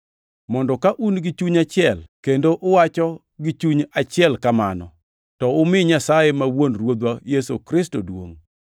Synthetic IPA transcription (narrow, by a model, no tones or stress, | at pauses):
mɔndɔkaʔunɡɪt͡ʃuɲat͡ʃɪɛlkendoʔʊwat͡ʃɔ | ɡit͡ʃuɲat͡ʃɪɛlkamanɔ | tɔʊmɪɲasajemawonɾwod̪wajesokɾɪstodwo̰ŋ